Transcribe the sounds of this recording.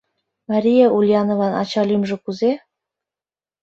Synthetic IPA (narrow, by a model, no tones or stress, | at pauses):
mɑɾʲijeʔulʲjɑnovɑnɑ̰t͡ɕɑlʲimʒɤ̆kuze